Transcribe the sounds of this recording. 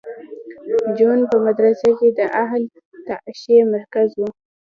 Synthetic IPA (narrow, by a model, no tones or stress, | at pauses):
d͡ʒonpəmad̪ɾasaked̪əʔaɦl | t̪aʔʃemaɾkazwu